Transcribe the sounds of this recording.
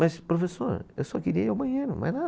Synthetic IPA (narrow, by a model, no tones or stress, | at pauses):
mɐʃpɾufeso̰ɾewsɔkɨɾiɐawbɐɲeɾṵma̰jna